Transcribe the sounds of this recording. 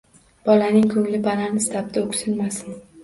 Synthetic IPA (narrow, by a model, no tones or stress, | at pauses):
b̥ɒlanɪŋkʰɵŋlɪpanaɾnɪst̪ʰap̚t̪aʊkʲsɪlmasɪn